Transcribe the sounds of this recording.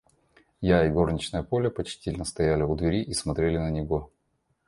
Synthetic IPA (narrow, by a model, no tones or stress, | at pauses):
jaɪɡo̞rnʲɪt͡ɕnəjəpo̞lʲəpɐt͡ɕtʲilʲnəst̪ɐjælʲɪʊd̪vʲɪɾʲiʔismɐt̪ɾʲelʲɪnənʲɪɡo